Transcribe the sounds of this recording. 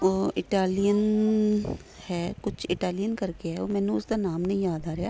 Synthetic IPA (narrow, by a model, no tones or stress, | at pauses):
oɪʈaːlijən | hɛːkʊt͡ʃʰɪʈaːlijənkəɾkeɦɛːoːmɛ̃ːnũːʊsd̪aːnaːmnə̃ĩːjaːd̪aːɾejaː